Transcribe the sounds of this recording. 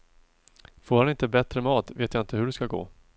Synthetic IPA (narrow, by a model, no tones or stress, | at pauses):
foːɾhanɪnt̪əbɛt̪ɾəmɑːt̪veːt̪jaɪnt̪əɦɵɖɛskaɡo̰ː